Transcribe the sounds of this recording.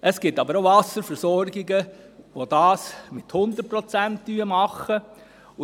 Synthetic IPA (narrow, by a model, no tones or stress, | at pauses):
ʔəsɡ̥ɪtːɑbəɾoʊvɑsəɾfɛɾsɔɾɡɪɡə | ʋod̥ɑːsmɪthʊnd̪ət̚pɾɔt͡sæntd̥yəmɑχə